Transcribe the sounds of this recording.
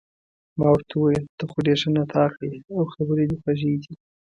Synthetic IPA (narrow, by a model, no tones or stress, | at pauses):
mɑwəɾt̪ʰawajəld̪̥əxʊɖeʂənat̪ʰɑqaawxabəɾed̪exaʒed̪i